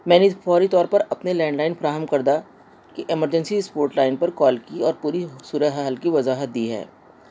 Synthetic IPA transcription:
mɛ̃ːnefɔːɾit̪ɔːɾpɐɾɐpnelɛ̃ːɳɖlaːɪnfɐɾaːɦəmkɐɾd̪a | kiʔɪməɾd͡ʒə̃nsispoːɾʈlaːɪnpɐɾkɔːlkiɔːɾpuːɾisuːɾəɦaːəlkiʋɐzaːɦət̪̚d̪iːɦɛ̰ː

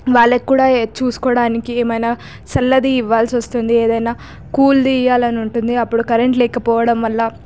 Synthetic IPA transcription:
ʋaːɭːɐkːuːɽaːt͡ʃuːsu̥kɔːɽaːnikieːmɐjnaː | sɐlːɐd̪iːʋːaːlsiʋɐst̪und̪ieːd̪ɐjnaː | kuːld̪iːjaːlɐnuɳʈund̪iɐpːuɽukɐɾe̞ɳʈlɛːkɐpɔːʋɐɽɐmʋɐlːɐ

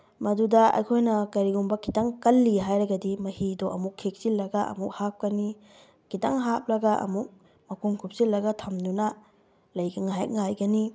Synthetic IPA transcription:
mɐdudɐɐ̰jkʰojnɐkɐɾiɡumbɐkitaŋkɐlːiɦajɾɐɡɐdimɐhidoʔɐmukʰːek̚silːɐɡɐɐ̰muk̚hap̚kɐni | ɡ̥itaŋɦap̚lɐɡɐʔɐ̰muk̚ | mɐkuŋkʰup̚silːɐɡɐtʰɐmdunɐ | lɐjɡɐŋaj̰t̚ŋajɡɐni

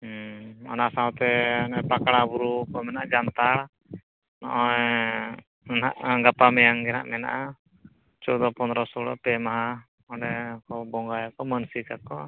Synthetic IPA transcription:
ɔ̰nasãwt̪ɛnɛpakaɽabuɾukɔmɛnaʔd͡ʒant̪aɽ | nɔ̰ʔɔj | na̰ʔɡapamɛjaŋɡɛna̰ʔmɛna̰ʔa | t͡ʃɔd̪ɔpɔnd̪ɾɔsɔɽɔ̰pɛmaɦa | ɔɖɛkɔbɔŋɡajakɔmənsikakɔ

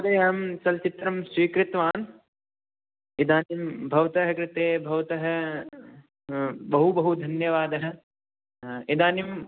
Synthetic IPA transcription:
ɐd̪eːɦɐmt͡ʃɐlt͡ʃit̪ɾɐmsʋiːkɾɪt̪ʋaːn | id̪aːnimbʱɐʋɐt̪ɐɦɐkɾɪt̪eːbʱɐʋɐt̪ɐɦɐ̆ | bɐɦubɐɦud̪ʱɐnjɐʋaːd̪ɐɦɐ̆ | id̪aːnim

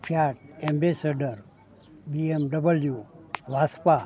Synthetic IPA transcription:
pʰaʈ̚ẽmbesaɖəɾ | biemɖəbəljuʋaspa

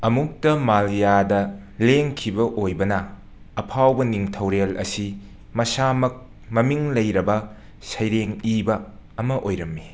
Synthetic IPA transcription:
ɐmuk̚tɐmaljadɐ | leŋkʰibɐʔojbɐnɐː | pʰawbɐniŋtʰɐwɾelɐ̰si | mɐsamɐk̚ | mɐmiŋlɐjɾɐbɐ | sɐjɾeŋibɐːmɐʔojɾɐmːi

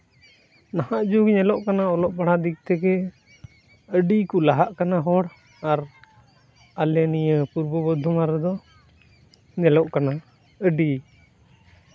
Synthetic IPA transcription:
nahaʔd͡ʒuɡɲɛlɔʔkanaɔlɔʔbaɽ̤ad̪ik̚t̪ɛkɛ | əɖikulaɦaʔkanaɦɔɽ | aɾ | alɛnijəpuɾbɔbɔd̪ʱɔmaɾɛd̪ɔ | ɲɛlɔʔkana | əɖi

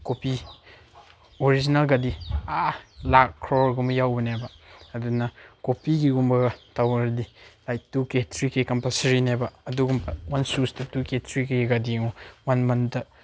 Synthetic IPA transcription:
kopi | oɾid͡ʒinɐlɡadialakkʰːɾɔɾɡumɐjawbɐnebɐːdunɐkopiɡiɡumbɐɡɐtawɐɾɐdilajk̚tuketʰɾikekɐmpɐsɐɾinebɐɐduɡumpʰɐwansustɐtuketʰɾikːeɡadiŋowanmɐntɐ

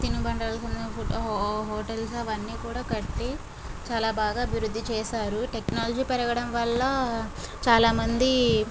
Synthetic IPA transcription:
t̪inubɐɳɖaːlɐsunɐpʰuɦɔːʈɐlsɐʋɐnːiːkuːɽaːkɐʈːi | t͡ʃaːlaːbaːɡaːɐbʱiɾud̪ːit͡ʃɛːʃaːɾuʈeknaːlɐd͡ʒiːpɛɾɐɡɐɽɐmʋɐlːɐ | t͡ʃaːlaːmɐnd̪i

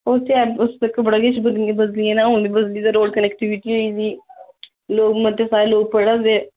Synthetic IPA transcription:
oːt̪ɛːəsəkːəbəɽaːɡet͡ʃbəd̪bəd̪liɛːnaːõːnd̪iːbəd̪liːd̪aɾoːɖkənɛkʈiʋɪʈiːɦoiːsiː | loːɡmət̪esaːɾeloːɡ̚pəɽaːzeː

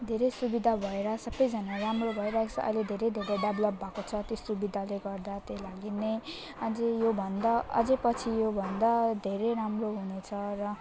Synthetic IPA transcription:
d̪ʱeɾʌjsubid̪ʱabʱʌeɾʌsʌbʌjd͡zʌnaramrobʱʌeɾat͡sʰʌʔʌ̰jled̪ʱeɾʌjd̪ʱeɾeɖʌblʌp̚bʱakot͡sʰʌt̪josubid̪ʱaleɡʌrd̪at̪elaɡinej | ʌd͡zejobʱʌnd̪ʌʌ̰d͡zepʌt͡sʰijobʱʌnd̪ʌd̪ʱeɾejɾamroɦunet͡sʰʌrʌ

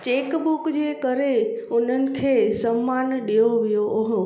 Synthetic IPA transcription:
t͡ɕeːkbʊkd͡ʑekəɾeʊn̤ənɪ̆kʰeːsəmːanɗijoʋijooɦo

